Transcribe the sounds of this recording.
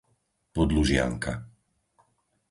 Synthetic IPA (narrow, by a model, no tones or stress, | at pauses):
pɔd̪luʒɪa̰ŋka